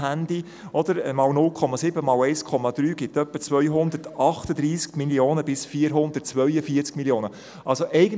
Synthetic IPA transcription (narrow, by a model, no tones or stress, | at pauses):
ænd̥̪i | ɔd̥̪əɾmɑlnʊlkʰɔmɑsɪbəmɑlɛɪskʰɔmɑd̪ɾyːɡɪtœpːət͡sʋœjɦʊnd̪ətɑχt̪əd̪ɾiːskmilioːnəbɪsfiːɾɦʊnd̪ət̚t͡sʋœʏəfiəɾt͡skmiljoːnə | ʔɑlsoʔɛɪɡən